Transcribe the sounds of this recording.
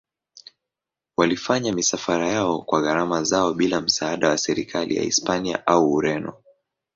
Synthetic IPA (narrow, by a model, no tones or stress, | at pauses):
walifaɲamisafaɾajaɔkwaɣaɾamazaɔɓilam̩saaɗawasɛɾikʰalḭja̰ḭspania̰ʔauːɾɛnɔ